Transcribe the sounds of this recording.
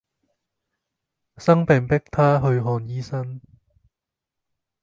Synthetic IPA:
sɐ˥ŋpɛː˨ŋpɪ˥k̚t̪ʰaː˥ɦɵ˧ɥɦɔː˧njiː˥sɐ˥n

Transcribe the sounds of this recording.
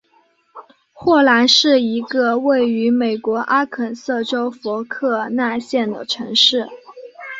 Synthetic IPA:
xwɔ˥˩la˧˥nʂɻ̩˥˩i˧˥ɡə˧we˥˩ɪy˧˥me˨˩ɪkwɔ˧˥ʔa˥kʰə˨˩nsɤ˥˩ʈ͡ʂo˥ʊfɔ˧˥kʰɤ˥˧na˥˧ɕjɛ˥˩nd̪ə̰˩ʈ͡ʂʰɤ˧˥ŋʂɻ̩˥˩

